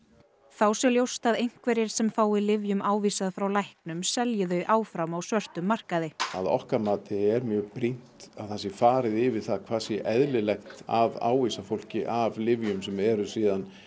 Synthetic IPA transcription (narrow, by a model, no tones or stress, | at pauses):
θawsɛljowst̪aðejŋ̥kvɛɾɪɾ̥sɛmfaːwɪlɪvjʏmaːwviːsaðfɾawlajhknʏmsɛljɪðœɥʔaːwfɾamawsvœr̥t̪ʏmːar̥kaðɪaðɔ̰hkamaːt̪ɪɛɾmjœːɣpɾin̥t̪aðθɛsːɪfaːɾɪðɪvɪðθaðkʰvaːsɪʔɛðlɪlɛxt̪ava̰ːwviːsafowl̥cɪʔavlɪvjʏmsɛmɛɾʏsiːðan